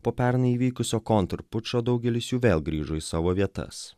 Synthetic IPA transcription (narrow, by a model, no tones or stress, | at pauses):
poːpʲæˑɾnɐiːʋʲiːkʊsʲoːkɔnt̪ɾpʊt͡ʃoːd̪ɐʊɡʲɛlʲɪsjuːʋʲeːlˠɡɾʲiːʒoːisɑːʋoːʋʲiɛt̪ɐ̰s